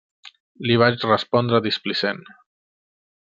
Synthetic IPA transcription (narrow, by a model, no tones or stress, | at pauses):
liβ̞at͡ʃrəspɔnd̪ɾəðisplisen